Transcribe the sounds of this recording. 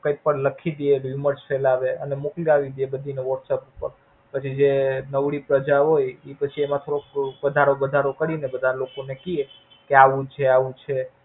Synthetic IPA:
kəjpːəɳləkʰid̪ieɾiməɾʈfɛlaʋeʔənemokljaʋid̪iebəd̪ʱineʋəʈsepupːəɾ | pət͡ʃʰid͡ʒenəʋɽipɾəd͡ʒaɦojepət͡ʃʰiemãt̪ʰoɾokʋəd̪ʱaɾobəd̪ʱaɾokəɽinebəd̪ʱalokonekie | keaʋũt͡ʃʰeaʋũt͡ʃʰe

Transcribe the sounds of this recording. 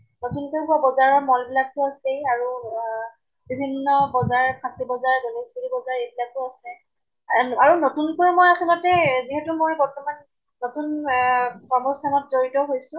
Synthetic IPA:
notunkojɦuwabɔzaɹɔɹmɔlbilak̚tʊasejaɹu | bibʱinːɔbɔzaɹpʰatibɔzaɹɡɔnisɡilibɔzaɹejbilak̚tʊasɛ | aɹunotunkojmojasɔlɔtɛziɦɛtumojbɔɹtɔmanː | otun | pɹɔmɔstʰanɔtzoɹitɔɦojsʊ̃

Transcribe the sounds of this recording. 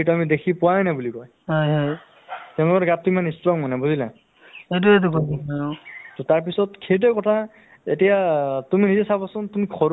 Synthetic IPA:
etuamidekʰipʊwajnabulikɔj | ɦɔjɦɔj | tɛʊ̃lʊkɔtɡatːʊimanistɹɔŋmanɛbuzila | ejt̬uet̬ukodiajtɔtaɹpisɔtkʰet̬ɛkɔtʰa | etijatuminizɛsabasʊ̃ntumikʰɔɹ

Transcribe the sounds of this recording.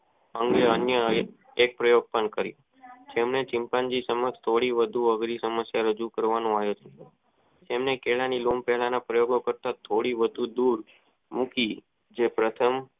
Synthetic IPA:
əŋɡeənjə | ek̚pɾəjoɡ̚pəɳkəɾjṵ̃ | d͡ʒemnet͡ʃɪmpand͡ʒisəməkst̪ʰoɽiʋəd̪ʱuəɡɾisəməsjaɾəd͡ʒukəɾʋanõaɦjet͡ʃʰe̥ | t̪emnekeɭanilompɛɦlanapɾəjoɡokəɾt̪at̪ʰoɽiʋəd̪ʱud̪uɾ | muki | d͡ʒepɾət̪ʰəm

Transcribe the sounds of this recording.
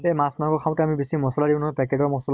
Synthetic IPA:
emasmakɔkʰaw̃tɛamibesimɔsɔladiʊ̃nɔpɛkedɔmɔsɔl

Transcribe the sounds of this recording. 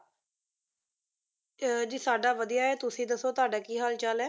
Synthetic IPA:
d͡ʒiːsaːɖaːʋəd̪ijaːɛːt̪ʊsĩːd̪əsːoːt̪oaːɖaːkiːɦaːlt͡ʃəlɛː

